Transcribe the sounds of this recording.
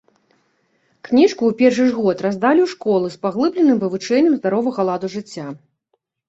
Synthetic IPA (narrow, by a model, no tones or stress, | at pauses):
knʲiʂkuːpʲɛrʂɨʐɣɔt̪razd̪alʲiwʂkɔlˠɨspaɣlˠɨblʲɛnɨmvɨvɨt͡ʂɛnʲːɛmzd̪aɾɔvɐɣɐlˠad̪uʐɨt͡sʲːa